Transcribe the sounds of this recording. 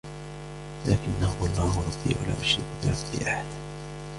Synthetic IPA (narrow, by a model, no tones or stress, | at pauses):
laːkɪnːahʊwɑlˤːɑːhʊɾˤɑd̪ːḭːʕa̰la̰ːʔʊʃɾɪ̰kbɪɾˤɑbːḭʔaħad̪